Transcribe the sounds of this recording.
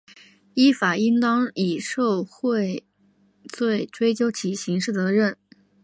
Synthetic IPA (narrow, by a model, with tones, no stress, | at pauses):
i˥fa˨˩i˥ŋt̪ɑ˥ŋi˨˩ʂo˥˧ʊxwe˥˧ɪ | t͡swe˥˩ɪʈ͡ʂwe˥ɪt͡ɕjo˥ʊt͡ɕʰi˧˥ɕi˧˥ŋʂɻ̩˥˩t͡sɤ˧˥ɻə˥˩n